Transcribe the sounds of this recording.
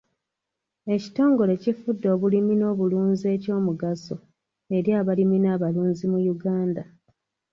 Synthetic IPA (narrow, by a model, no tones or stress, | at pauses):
e̞ci̥to̞ːŋɡole̞cifudːo̞ːβulimino̞ːβuluːnzie̞ːco̞ːmuɡaso̰ | e̞ɾjaːβaliminaːβaluːnzimujuɡaːnda